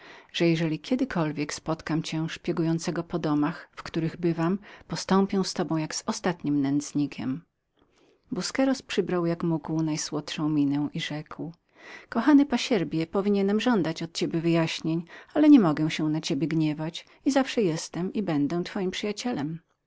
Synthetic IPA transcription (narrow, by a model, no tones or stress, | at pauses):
ʐ̥ɛjɛʐɛlʲikʲɛd̪ɘkʰɔlvʲjɛkspɔt̪kamt͡ɕɛ̃ʂpʲjɛɡujɔnt̪sɛɡɔpɔd̪ɔmaxfkt̪uɾɘɣbɘvampɔst̪ɔmpʲɛw̃st̪ɔbɔ̃w̃jaɡz̥ɔst̪at̪ɲimnɛnd̪zɲikʲɛ̰m | buskɛɾɔspʂɘbɾawjakmuɡwnajswɔt̪ʂɔ̃w̃mʲinɛw̃ʔiʐɛkw | kɔxanɘpaɕɛɾbʲjɛpɔvʲiɲɛnɛmʐɔnd̪at͡ɕɔt̪̚t͡ɕebʲjɛvɘjaɕɲeɲalɛɲɛmɔɡɛw̃ɕɛ̃nat͡ɕebʲjɛɡɲɛvat͡ɕ | izafʂɛjɛst̪ɛmibɛnd̪ɛw̃t̪fɔjimpʂɘjat͡ɕɛlɛm